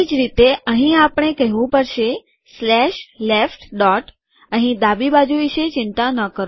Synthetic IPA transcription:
id͡ʒɾit̪eʔəɦĩapəɳ̃ekəɦʋũpəɾʃe | slɛʃlefʈɖɔʈ | əɦĩd̪abibad͡ʒuʋiʃet͡ʃɪnt̪anəkəɾ

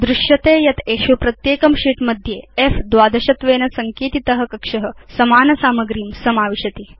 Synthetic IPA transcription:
d̪ɾuʂjɐt̪eːjɐt̪ʰeːʂupɾɐt̪jeːkɐmʂiːʈmɐd̪ʱjeːefd̪ʋaːd̪ɐɕɐt̪ʋeːnɐsɐŋkiːt̪it̪ɐɦɐ̆kɐkʂɐɦəsɐmaːnɐsaːmɐɡɾiːmsɐmaːʋiʂɐt̪i

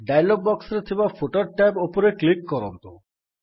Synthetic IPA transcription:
ɖajlɔp̚bɔksɾet̪ʰibafʰoʈɔɾʈajpopɔɾeklikːɔɾɔnt̪u

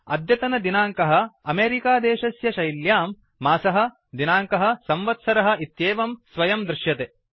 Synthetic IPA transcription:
ɐ̰d̪jɐt̪ɐnɐd̪inaːŋkɐɦɐ̆ɐmeːɾikaːd̪eːʃɐsjɐʃɐjljaːmː | aːsɐɦɐ̆ | d̪inaːŋkɐɦɐ̆sɐmʋɐt̪sɐɾɐɦɐ̆it̪jeːʋɐmsʋɐjɐmd̪ɾɪʃjɐt̪eː

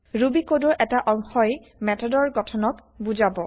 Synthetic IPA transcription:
ɹubikodɔʔɛtaʔɔŋxɔj | mɛtʰɔdɔɹɡɔtʰɔnɔk | buzabɔ

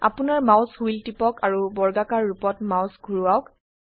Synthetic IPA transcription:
a̰pʊnaɹmaʊshujltipɔkaɹubɔɹɡakaɹːupɔtmawsɡʱuɹuaʊk

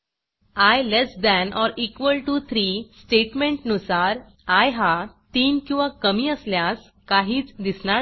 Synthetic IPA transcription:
ajlesd̪ænɔɾikʋəlʈut̪ʰɾiːsʈeʈmẽɳʈnusaɾ | ajɦat̪iːnkĩw̃ʋakəmiːəsljas | kaɦiːt͡sd̪isɳaɾ

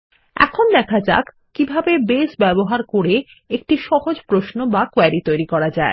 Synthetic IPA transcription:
ɛ̰kʰond̪ɛkʰad͡ʑa̰k | kːibʱabebesbɛboɦaɾkoɾe | ek̚ʈiʃɔɦod͡ʑpɾosnobakoɛɾit̪ojɾikɔɾad͡ʑae

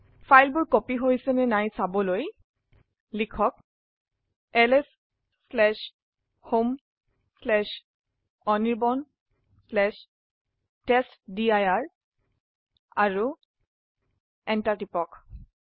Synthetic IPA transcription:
fʰajlbʊɹkopiɦojsɛnɛnajsabɔloj | likʰɔk̚ | ɛlɛsː | lɛʃ | hom | slɛʃ | ɔniɹbɔn | slɛʃ | tɛstdiajaɹ | aɹu | ɛntatipɔk

